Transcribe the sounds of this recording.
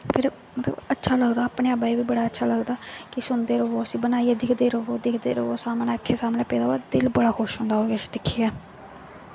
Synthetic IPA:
pʰɪɾ | mət̪lə̰bətːʃʰaːləɡd̪aːpɳẽːaːbaːiːʋiːbəɽaːətːʃʰaːləɡd̪aːkɪsʊnd̪eːɾəoːəsĩːbənaːieːd̪ɪkʰd̪eːɾəɦoːd̪ɪkʰd̪ḛːɾəoːsaːmnẽːəkʰːeːsaːmnẽːpɛːd̪aːoaːd̪ɪlbəɽaːxoʃɦʊ̃ːnd̪aːɦoːɡed̪ɪkʰːiːaː

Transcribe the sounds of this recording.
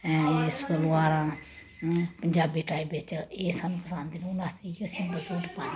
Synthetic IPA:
skəlaːɾãː | pəɲd͡ʒaːbiːʈaːibɪt͡ʃeːsaːnũːpəsãːnd̪inʊnãːsiːɡiəsĩːbəsuːʈpãːn

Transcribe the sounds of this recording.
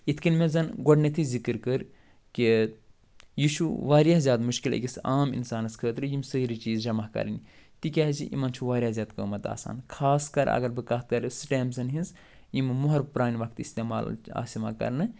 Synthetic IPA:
it̪ʰkɨnmezɐnɡoɖnet̪ʰizikɨɾkəɾ | ki | jit͡ʃʰuʋaːɾjaːzʲjaːt̪muʃkilɐ̰kʲisaːmḭnsaːnɐskʰəːt̪ɾɨjimsəːɾit͡ʃiːzd͡ʒɐmɐhkɐ̰ɾnit̪ik̬ʲaːɦziʔḭmɐnt͡ʃʰuʋaːɾjaːzʲaːt̪kəːmɐt̪a̰ːsa̰ːnkʰaːskɐɾɐ̰ɡɐɾbɨkɐt̪̚kɐɾsɨʈaːmbzɐnɦinz | jimɨmuɦɐɾpɾaːniʋɐkʰt̪ist̪eːma̰ːla̰ːsima̰kɐ̰ɾnɨ

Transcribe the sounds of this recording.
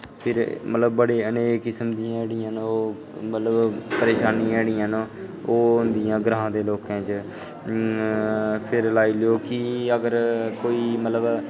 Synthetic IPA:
pʰɪɾmət̪ləbbəɽeːəneːkɪsəmd̪ijãːɛɽɪjãːnoː | mət̪ləbpəɾeːʃaːniːɛːɽɪjãːnoːɦʊnd̪ijãːɡɾaːɦãːd̪eːloːkãːt͡ʃ | pʰɪɾlaːiːlɪoːkɪəɡəɾkoːiːmət̪ləb

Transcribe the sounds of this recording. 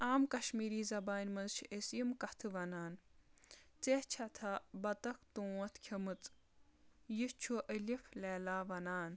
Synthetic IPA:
aːmkɐʃmiːɾiːzɐbaːnʲmɐzt͡ʃʰʔesjimkɐt̪ʰɨʋɐnaːn | t͡seht͡ʃʰɐt̪ʰabɐt̪ɐkt̪õːwɐt̪ʰkʲʰɐmɨt͡s | jist͡ʃʰoʔəlifleːlaːʋɐnaːn

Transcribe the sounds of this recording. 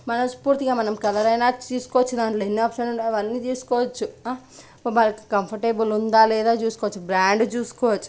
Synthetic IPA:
mɐnɐmspuːɾt̪iɡamɐnɐmkɐlɐɾɐjnat͡ʃiːskot͡ʃʰud̪aːnʈlenːeɔpʃɐnuaʋɐnːid͡ʒiːskoɐt͡ʃʰua | pɐmɐɾɐkkɐmpʰɐʈeːbulund̪aːleːd̪aːd͡ʒuːskoːt͡ʃʰubɾaːɳɖd͡ʒuːskoɐt͡ʃʰu̥

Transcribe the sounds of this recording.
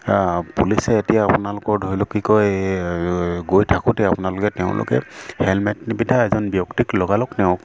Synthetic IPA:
pulisɛːtijaːpʊnalʊkɔɹdʱoɹilʊkːikɔj | ɡojtʰakʊtɛapʊnalʊkɛtɛʊ̃lʊ̰kɛ̰hɛlmɛtnibidʱaɛzɔnbijɔktiklɔɡalɔknɛʊ̃k

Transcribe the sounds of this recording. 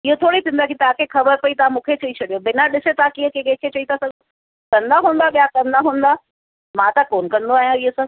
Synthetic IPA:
ɪɦot̪ʰoːɽit̪ʰĩnd̪akʰit̪ɐãkʰexʰɐbəɾpɐit̪ɐãmũːkʰet͡ɕɐit͡ɕʰɐɗijobɪnaɗɪset̪ãkĩːə̃kekẽkʰet͡ɕɐit̪ʰasɐɡ̪o | kɐ̃nd̪aɦũːn̆d̪abijakɐ̃nd̪aɦũːn̆d̪a | mãːt̪akoːnkɐ̃nd̪oaːɦijãiɦosã

